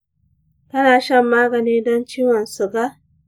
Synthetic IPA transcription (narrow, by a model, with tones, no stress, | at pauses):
tɐ˦naː˨ʃɐ˦˨mːaː˦ɡɐ˨niː˦dɔ˦nt͡ʃiː˦wɔ˨nsu˨ba˦ʔ